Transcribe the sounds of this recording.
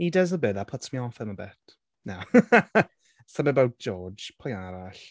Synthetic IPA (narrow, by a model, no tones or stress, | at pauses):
idəzəbɨðapʰɔtsmiɔfəməbɛt | naw | sənəbawt̚ʒ̥ɔ̥ːd͡ʒ̥pʰɔjaɾaɬ